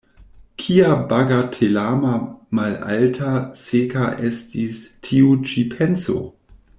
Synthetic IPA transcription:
kʰiabaɡatʰelamamala̰ltʰasekaʔestistʰiut͡ʃipʰenso̰

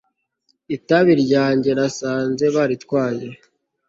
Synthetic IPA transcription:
itaβiɾɟaːɲɟe̞ɾasaːnze̞βaɾitkwaːje̞

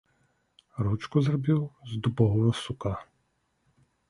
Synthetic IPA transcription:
ɾut͡ʃkʊzrɔbʲiwzd̪ubɔɦɔɦɔsʊka

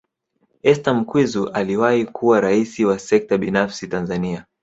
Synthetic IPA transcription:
ɛstam̩kwizuʔaliwahikʰuwaɾaisiwasɛk̚taɓinafsitanzania

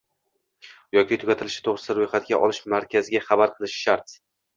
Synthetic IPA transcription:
jɒkʲʰɪt̪ʰʊɡʲat̪ʰɪlɪʃɪ̥t̪ʰoʁɾɪ̥st̪aɾojχat̪ɡʲaʔɒlˠɪʃmaɾkʲʰazɪɡʲaχabaɾqʰɨlˠɪʃʃaɾt̪

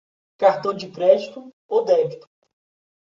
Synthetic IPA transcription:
kaɾt̪õw̃d͡ʒɪkɾɛd͡ʒit̪ʊ | owd̪ɛbit̪ʊ̥

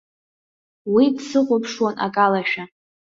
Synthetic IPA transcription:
widsɨqʷʼʊpʰʂwanʔa̰kʼalaʃᶣa

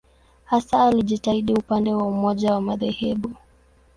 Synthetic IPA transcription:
hasaːliʄitaiɗiupandɛwaumɔʄawamaðɛhɛɓu

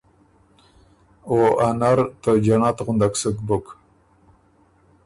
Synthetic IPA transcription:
oanaɾt̪əd͡ʒaɳɑt̪ɣʊnd̪aksəkbʊk

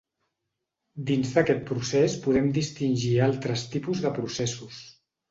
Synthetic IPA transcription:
d̪inzðəkɛt̪̚pɾusespuðɛmd̪ist̪inʲʒialˠt̪ɾəst̪ipuzðəpɾusɛsus

